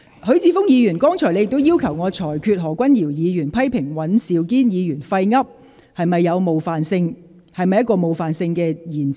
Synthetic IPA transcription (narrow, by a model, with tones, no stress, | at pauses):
hɵ˨˧˥ɥt͡siː˧˥fʊ˥ŋjiː˨˧jyː˨˩nkɔː˥ŋt͡sʰɔː˨˩le˨˧jɪ˨k̚t̪o˥wjiː˥wkʰɐ˨˩wŋɔː˨˧t͡sʰɔː˨˩jkʰyː˧t̚ɦɔː˨˩kʷɐ˥njiː˨˩wjiː˨˧jyː˨˩npʰɐ˥jpʰɪ˨˩ŋwɐ˨˥nsiː˨wkiː˥njiː˨˧jyː˨˩nfɐ˧jŋɐ˥p̚ | hɐ˨jmɐ˨jːɐ˨˧wmo˨wfaː˨nsɪ˧ŋ | hɐ˨jmɐ˨jːɐ˥tkɔː˧mo˨wfaː˨nsɪ˧ŋkɛː˧jiː˨˩nt͡s